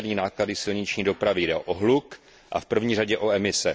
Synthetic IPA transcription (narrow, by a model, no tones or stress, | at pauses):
dɲiːnaːkladɪsɪlɲɪt͡ʃɲiːdo̞pɾavɪjdɛʔoɦluk | ʔa̰fpr̩vɲiːraɟɛʔo̞ɛmɪsɛ